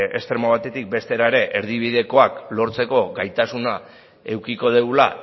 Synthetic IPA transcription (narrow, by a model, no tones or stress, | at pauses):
e̞̰st̪ɾe̞maβ̞at̪e̞t̪ik̚be̞st̪e̞ɾaeɾe̞ʔeɾð̞iβ̞iðe̞ko̞aklo̞ɾt͡se̞ko̞ɡajt̪asuna | e̞wkiko̞ðewla